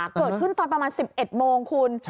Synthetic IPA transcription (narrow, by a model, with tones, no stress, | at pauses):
kkːɤː˨˩t̪̚kʰɯ˥˩nfa˧npɾa˧maː˧nsi˨˩p̚ʔe˨˩t̪̚moː˧ŋkʰu˧n